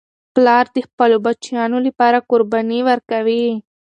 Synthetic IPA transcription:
plɑːɾd̪ixpəlobat͡ʃjɑnolipɑɾakʊɾbaniwəɾkawi

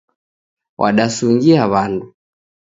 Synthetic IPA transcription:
wʔaɗasuŋɡiaβandu

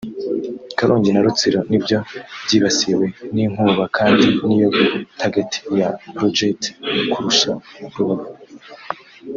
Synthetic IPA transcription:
kaɾuːɲɟinaɾut͡siɾo̞nibjo̞bɟiːβasiwe̞niŋ̥uːβakʰaːndinijoɡtʰaɡetʰi̥japɾod͡ʒetkuɾuʃaɾuβaɡuɾ

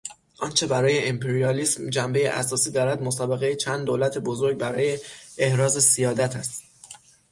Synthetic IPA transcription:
ʔɒnt͡ʃʰe̞bæɾɒːje̞ʔimpʰeɾiɒliːsmd͡ʒæmbe̞jeʔæ̰sɒːsiːd̪ɒːɾæd̪mosɒːbeɣe̞jet͡ʃʰænd̪d̪oːlæt̪ʰebozoɾɟ̚bæɾɒːje̞ehɾɒːze̞sijɒːd̪æt̪ʰæst̪

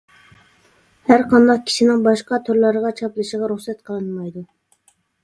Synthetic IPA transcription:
hæɾqʰɑnd̪ɑq̚kʲʰi̥ʃinɪŋbɑʃqɑt̪ʰøɾlˠɑɾəʁɑt͡ʃʰɑplˠɨʃəʁɑɾuχsɛt̪qʰəlˠɨnmɑjd̪u

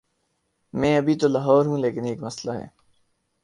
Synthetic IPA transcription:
mɛ̃ːɐbʱit̪olaːɦɔːɾɦũleːkɪneːkmɐslaɦɛ̰ː

